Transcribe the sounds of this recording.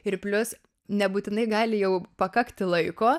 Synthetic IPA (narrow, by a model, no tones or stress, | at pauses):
ɪɾpʲlʲʊs | nʲɛbuːt̪ʲɪnɐɪɡɑːlʲɪjɛʊpɐkɐkt̪ʲɪlˠɐɪkoː